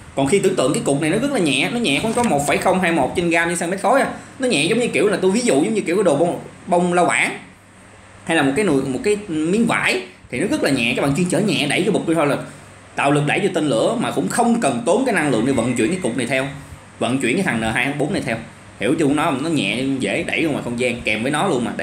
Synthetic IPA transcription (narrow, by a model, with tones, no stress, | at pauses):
kɔ˨˩nxi˧t̪ɨ˧əŋt̪ɨ̰˧˨əŋkaː˨˦jkʊ˨˩k͡p̚n˨˩jnɔ˨˦ɣɨ˦˥k̚laː˨˩ɲɛ̰˧˨nɔ˨˦ɲɛ̰˧˨kɔ˧˦ŋ͡mkɔ˨˦mo˨˩t̚faː˧˩jxə˧wŋ͡mɦaː˧jmo˨˩t̚t͡ɕe˧nɣaː˧mt͡ɕnsa˧mɛ˦˥t̚xo˨˦jʔaː˧˦nɔ˨˦ɲɛ̰˧˨zə˨˦wɲɨ˧ki˧˩əwlaː˨˩t̪u˧jvi˨˦zʊ̰˧˨zə˨˦wɲɨ˧ki˧˩əwkːaː˨˦˥ɗo˨˩˧wŋ͡mɓə˧wŋ͡mla˧wɓa̰ː˧˩˦n | ha˧jlaː˨˩m̚˨˩kaː˨˦no˧˩˨jmo˨˩t̚kaː˨˦jmi˨˦əŋva̰ː˧˥˨jt̪ʰi˨˩nɔ˨˦ɣɨ˦˥k̚laː˨˩ɲɛ̰˧˨t͡ɕɔ˨˧˦ɓaː˧˨t͡ɕi˧ənt͡ɕəː˧˩ɲɛ̰˧˨ɗə˧˩jkːɓk͡p̚ɗt̪ʰo˧jlaː˨˩ | t̪a̰ː˧˨wlɨ˨˩k̚ɗə̰˧˩jt͡ɕɔ˧t̪i˧nlɨ̰˧˥əmaː˨˩kʊ̰˧˥ŋ͡mxə˧wŋ͡mkə˨˩nt̪o˨˦nkaː˨˦jna˧ŋlɨ̰˧˨əŋni˨˩və̰˧˨nt͡ɕwḭ˧˨ənkaː˨˦kʊ˨˩k͡p̚na˨˩jt̪ʰɛ˧w | və̰˧˨nt͡ɕwḭ˧ənkaː˦t̪ʰa˨˩ŋnəː˨˩ɦaː˧ja˧˩˦ɓo˨˦nːa˨˩jt̪ʰɛ˧w | hi˧˩əwt͡ɕu˧nɔ˨˦˨nɔ˨˦ɲɛ̰˧˨˧zḛ˧˩ɗə̰˧˩jhmaː˨˩xə˧wŋ͡mzaː˧ŋkɛ˨˩mvəː˨˦jnɔ˨˦lu˧ənmaː˨˩ɗ